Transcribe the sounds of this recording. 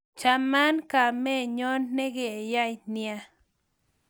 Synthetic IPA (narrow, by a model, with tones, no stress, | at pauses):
t͡ʃa˧ma˦nka˧˨me˦˨ɲo˦nːe˦ɡe˨ja˦jnja˧